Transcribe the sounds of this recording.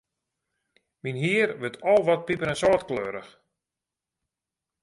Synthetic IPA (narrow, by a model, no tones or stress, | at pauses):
minɦiərʋətʰɔlˠʋɔt̚pipəɾɛnsɔːtkløːɾəx